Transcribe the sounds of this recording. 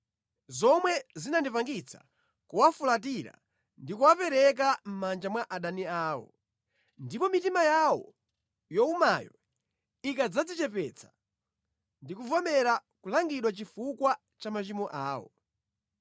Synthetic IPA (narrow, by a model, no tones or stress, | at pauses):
zɔmwɛzinandipaŋɡit͡sʰḁ̰ | kuwafulat̬iɾa̰ | ndikuwapɛɾɛk̬am̩mand͡ʒamwaʔaɗaniaːwɔ̰ | ndipɔmitimajawɔ̰ | jɔumajɔ | ikad͡zad͡zit͡ʃɛpɛt͡sʰḁ | ndikuvɔmɛɾakulaŋɡiɗwat͡ʃifukwa | t͡ʃamat͡ʃimɔʔaːwɔ̰